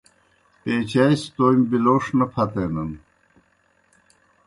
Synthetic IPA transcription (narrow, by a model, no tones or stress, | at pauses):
peːt͡ɕajst̪oːjmbiloːʂnɐpʰɐt̪enɐn